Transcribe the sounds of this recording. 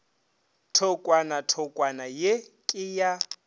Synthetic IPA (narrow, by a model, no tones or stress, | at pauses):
tʰɔkʼwanatʰɔkʼwanajekʼɪja